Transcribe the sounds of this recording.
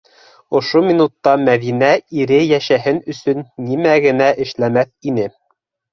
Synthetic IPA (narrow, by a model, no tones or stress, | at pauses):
ŏʃomʲinut̪ːɑmæðinæiɾɘjæʃæɦɘnɵ̆sɵnːimæɡɘ̆næʔɘ̆ʃlæmæθinɘ